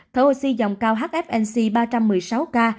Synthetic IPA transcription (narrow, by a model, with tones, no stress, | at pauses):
t̪ʰə˨˦ho˨˩si˧zɔ˨˩wŋ͡mkaː˧wɦaː˦˥t̚ʔɛ˦˥p̚ʔɛ˧nsi˧ɓaː˧t͡ɕa˧mːɨ˨˩əjsa˨˦wkaː˧